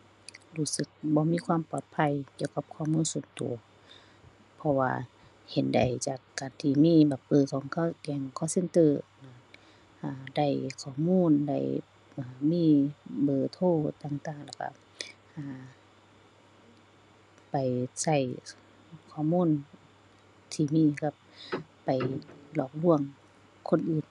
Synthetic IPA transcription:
luː˧˩sɯ˧˦k̚bɔː˧˦miː˧˥˨kʰwaː˧˥˨mpɔː˨˩t̪̚pʰa˧˨jki˧˩ə˨wka˧˦p̚kʰɔː˧˩˨muː˧˥˨nsu˧˩˦nt̪ṵ˨˩ɐ | pʰɔ˧wa̰ː˧ | he˧˨nda̰˨˩jt͡ɕaː˨˩kːaː˨˩nt̪ʰiː˧miː˧˥˨ba˨˧˩pɤː˧˩˨kʰɔː˨˧˦ŋkʰa˧kɛː˨˧˩ŋkʰɔː˧˥˨se˧˨nt̪ɤː˧˩˨na˧˨ | aː˧da˧˩jkʰɔː˧˩muː˧˥˨nda̰˧˩j | ʔaː˨˩miː˧˥˨bɤː˨˩t̪ʰoː˧˥˨t̪aː˧˩ŋt̪aː˧˩ŋla˧˩ka̰˧˩ | haː˧ | pa˨jsa˧˩j | kʰɔː˧˨muː˧˥˨n | t̪ʰiː˧miː˧˥˨ka˧˥p̚ː | a˨˩jlɔː˧˩k̚lu˧˩əŋ | kʰo˧˥˨nʔɯː˨˩n

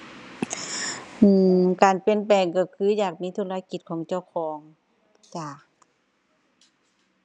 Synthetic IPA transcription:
ʔɯː˧˩kaː˨˩npe˧˨npɛː˨˩ŋkɔ˧˩kʰɯː˧˥˨jaː˨˩k̚miː˧˥t̪ʰuː˧la˧˥ki˨˧˩t̪̚kʰɔː˨˦ŋt͡ɕa˧˩˨wkʰɔː˨˩˦ŋ | t͡ɕaː˨˩k̚

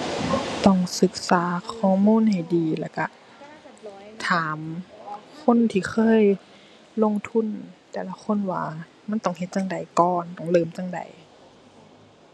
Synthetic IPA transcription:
t̪ɔ˧˩ŋsɯ˧˦k̚saː˨˦kʰɔː˧˩muː˧˥˨nha˨˩jdiː˨˩lɛː˧˩ka˧˩ | t̪ʰaː˨˦m | kʰo˧˥˨nt̪ʰiː˧˩xʰɤː˧˥˨j | lo˧˥˨ŋt̪ʰu˧˥˨nt̪ɛː˧˩la˧kʰo˧˥˨nwa̰ː˧˩ | ma˧˥˨nt̪ɔ˧˩ŋhe˧t̪̚t͡ɕa˧ŋda˨˩jkɔː˧nt̪ɔ˧˩˨ŋlɤː˧˩˨mt͡ɕa˧˨ŋda̰˨˩j

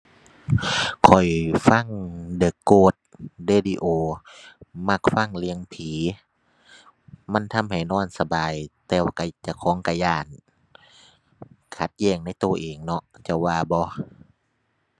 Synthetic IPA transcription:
kʰɔ˨˩jfa˧˥˨ŋdɤː˧˩kːoː˧˩t̪̚deː˧˨diː˧ʔoː˧ | ma˧k̚fa˧˥˨ŋli˧əŋpʰiː˨˦ | ma˧˥˨nt̪ʰa˧˥˨mha˨˩jnɔː˧˥˩nsa˧baː˨˩jt̪ɛː˧wa˧˩ka˧˩t͡ɕa˧˩kʰɔː˨˦ŋka˧˩jaː˧˩˨n | kʰa˧˦t̪̚jɛː˧˩ŋna˧˥˨jt̪oː˧˩ʔeː˨˩ŋnɔ˧ʔt͡ɕa˧˩waː˧˩bɔː˧˦

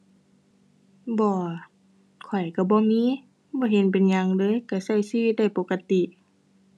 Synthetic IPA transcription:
bɔː˧ | kʰɔ˨˩jka˧˩bɔː˧˦miː˧˥˨ | bɔː˧˦ɦe˧˦npe˨nɲa˧ŋdɤː˧˨jka˧˩sa˧˩jsi˧wi˧˦t̪̚da˥˩jpo˧˦kːa˧t̪i˧˨ʔ

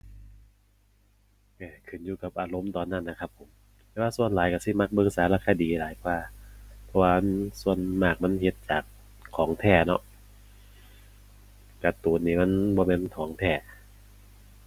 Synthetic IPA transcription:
ʔɛː˧˩kʰɯ˨˩njuː˧˩ka˨˩p̚ʔaː˨˧lo˧˦mt̪ɔː˨˩nːa˧˥˨nːa˧˩kʰa˦˧pʰːo˨˩˦m | t̪ɛː˧˦waː˧su˧˨ənlaː˨˦jka˧˩si˧˩ma˧˩k̚bɤː˧ŋsaː˨˦ɾaː˧˩kʰaː˧diː˨laː˨˦jkʰwaː˧˩pʰɔ˧waː˧m˥su˧ənmaː˧˩k̚ma˧˥˨nhe˧˦t̪̚t͡ɕaː˨˩k̚ʰː | ɔː˨˩˦ŋt̪ʰɛː˧˩nɔ̰˧ʔ | ka˧˩t̪uː˨˩˦nːiː˧˩ma˧˥˨nbɔː˧mɛː˧˥nt̪ʰɔː˨˩˦ŋt̪ʰɛː˧˩

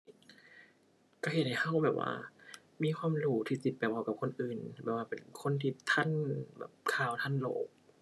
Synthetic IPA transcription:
ka˧˩he˨˩t̪̚ha˧˩jhʰa˧˥˩wbɛː˨˩p̚wʔa̰ː˧ | miː˧˥˨kʰwaː˧˥˨mluː˧˩t̪ʰiː˧˩si˧˩t̪̚pa˨˩ɔː˧˩ka˧˩p̚kʰo˧˥˨nʔɯː˨˩nbɛ̰ː˨˩p̚waː˧pe˨˩nkʰo˧˥˨nt̪ʰiː˧˩t̪ʰa˧˥˨nbɛ̰ː˨˩p̚kʰaː˧˩wt̪ʰa˧˥˨nlo̰ː˨˦k̚

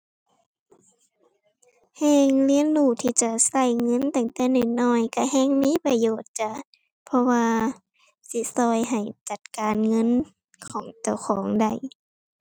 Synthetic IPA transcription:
hɛː˧ŋli˧˥ə˨nduː˧˩t̪ʰiː˧˩t͡ɕa˧˩sa˧˩jŋɤ˧˥˨nt̪ɛ˧˩ŋt̪ɛː˧˩˨nɔː˨˩jnɔː˧˩jka˧˩hɛː˧˥˨ŋmiː˧˥˨pa˧joː˨˩t̪̚t͡ɕa˧˩˨ | pʰɔ˧waː˧ | si˧˦sɔː˧˩jɦa˨˩jt͡ɕa˨˧˩t̪̚kaː˨nŋɤ˧˥˨n | kʰɔː˨˦ŋt͡ɕa˧˩wxʰɔː˨˦ŋda˧˩j

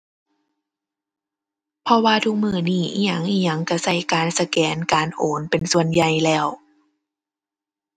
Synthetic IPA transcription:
pʰɔ˧waː˧t̪ʰu˧k̚mɯː˧˩niː˧˥˩ʔi˧ɲa˧˩ŋʔiː˧˩ɲa˧˩ŋka˧˩sa˧˩jkaː˨nsa˧kɛː˨˦nkaː˨nʔoː˨˦npe˨nsu˧˨ənja˧˩jlɛː˧˩w

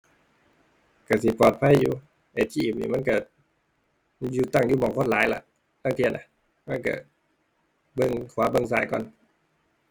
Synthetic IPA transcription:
ka˧˩si˨˦pɔː˨˩t̪̚pʰa˧˥˨jːuː˧ | ʔe˨˩t͡ɕiː˧˨˩m̚nḭ˧˩ma˧˥˨nka˧˩ | juː˧t̪a˧˥˩ŋjuː˧˨mɔː˨˩ŋkʰo˧˥˨n̚laː˨˦jla̰˧˨ʔ | laː˧˨ŋt̪ʰi˧˨nʔa˧˦ | ma˧˥˨nka̰˧˩ | bɤ˧˨ŋkʰwaː˨˦bɤ˧˨ŋs̬aː˧˩jkɔ̰˧˨n

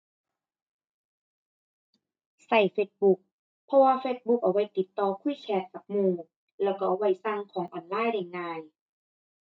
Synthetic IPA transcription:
sa˨˩jfeː˧˥t̪̚bu˧˥k̚ | pʰɔ˧waː˧feː˧˥t̪̚bu˧˥k̚ʔa˨˩wa˧˥˩jt̪i˨˩˦t̪ːɔː˧˩kʰuː˧˥˩t͡ɕʰɛː˧˥t̪̚ka˨˩p̚muː˧ | lɛː˧˩wkɔ˧˩ʔa˨˩wa˧˩jsa˧ŋkʰɔː˩˦ŋʔɔː˨˩nlaː˧˥˩jɾa˨˩ŋːaː˧j

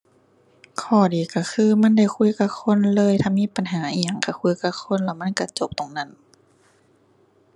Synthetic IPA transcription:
kʰɔː˧˩diː˨ka˧˩kʰɯː˧˨ma˧˥˨nda˧˩˨jkʰu˧˥˨jka˧˥kʰo˧˥˨nlɤː˧˥˨jt̪ʰaː˧˥˩miː˧˥˨pa˨nɦaː˨˦ʔiː˧˨ja˧˨ŋka˧˩kʰu˧˩˨jka˧˩kʰo˧˥˨nlaː˧˩wma˧˥˨nka˧˩t͡ɕo˧˦p̚t̪o˨ŋna˧˥˨n

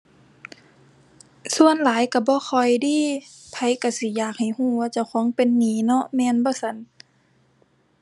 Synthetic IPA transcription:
su˧˨ənlaː˨˦jka˧˩bɔː˧˦xʰɔ˨˩jdiː˧˨ | t̪ʰa˧˩jka˧˩si˧˦jaː˨˩k̚ha˨˩jhuː˧˩waː˧t͡ɕa˧˩wxʰɔː˨˦ŋpe˨nːiː˨˩˦nɔ˧˦ʔmɛː˧˨nbɔː˧˦sa˧˦n

